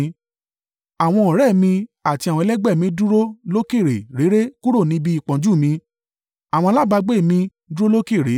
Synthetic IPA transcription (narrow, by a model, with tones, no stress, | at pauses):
a˨w̃ɔ̃˧ɔ̃˨ɾɛ˦˨mĩ˧a˨ti˧a˨wɔ̃˧˦lɛ˦ɡ͡bɛ˦˨mĩ˧˦du˦ɾo˦lo˦ke˦˨ɾḛ˨ɾe˨˦ɾe˦ku˦ɾo˦˨nĩ˨˦bi˦˨k͡pɔ̃˨˦d͡ʒu˦˨mĩ˧ | a˨w̃ɔ̃˧la˦˨ba˧ɡ͡be˦˨mĩ˧˦ | du˦ɾo˦lo˦ke˦˨ɾe˨˦